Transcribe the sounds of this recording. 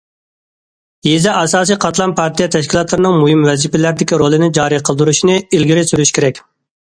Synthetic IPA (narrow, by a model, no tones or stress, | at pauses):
jezɛʔɑsɑːsijqʰɑt̪lˠɑnpʰɑɾt̪ʰijɛt̪ʰɛʃkʲilˠɑt̪lˠɨɾɨnɨŋmuhɪmwɛzipɪlæɾd̪ɪkʲiɾolˠɨnɪd͡ʒɑːɾiqʰəlˠd̪uɾuʃinɪilɡʲiɾɪsyɾyʃkʲʰeɾɛkʲ